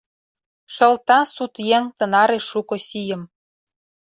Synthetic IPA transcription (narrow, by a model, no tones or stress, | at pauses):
ʃɤ̆lt̪ɑsut̪jeŋt̪ɤ̆nɑɾeʃukŏsijə̆m